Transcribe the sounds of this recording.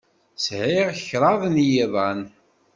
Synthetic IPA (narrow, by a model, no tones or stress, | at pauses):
shiʁçɾˤɑðˤnjiðan